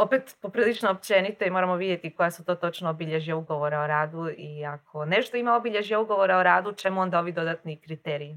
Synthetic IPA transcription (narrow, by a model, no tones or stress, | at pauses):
o̞pet̪popɾilit͡ʃnoopt͡ʃenit̪oimo̞ɾamoʋid̪jet̪iko̞jasut̪o̞t̪o̞t͡ʃnoːbiʎeʒijauɡo̞ʋo̞ɾeoɾaːd̪uiakʰo̞ne̞ʃt̪oimaobiʎeʒijauɡo̞ʋo̞ɾaoɾaːd̪ut͡ʃe̞muo̞nd̪aoʋid̪o̞d̪at̪nikɾit̪eːɾii